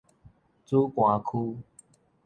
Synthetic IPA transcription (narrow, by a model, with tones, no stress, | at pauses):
t͡su˦kwã˨˦kʰu˦